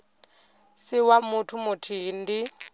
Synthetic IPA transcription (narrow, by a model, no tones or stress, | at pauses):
siwamutʰumutʰiːndi